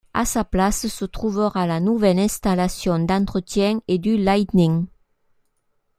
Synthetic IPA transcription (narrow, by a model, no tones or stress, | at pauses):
a̰saplasəsət̪χuvəʁalanuvɛlɛ̃st̪alasjɔ̃nd̪ɑ̃nt̪χət̪jɛ̃ŋed̪ylajt̪niŋ